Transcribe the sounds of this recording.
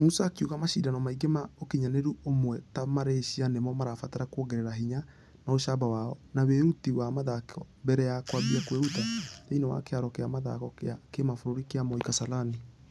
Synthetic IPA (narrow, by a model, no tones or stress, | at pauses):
musaːkjuɣamaʃidanɔmaiɡemaokiɲaneɾuomwɛtamaɾeʃianemɔmaɾafataɾakwoɡɛɾɛɾaɦiɲa | naoʃabawaɔnaweutiwamaðakɔ | bɛɾɛjakwaβiakweutateinawa̰keaɾɔkeamaða̰kɔkeakemafoɾoɾikeamɔikasalani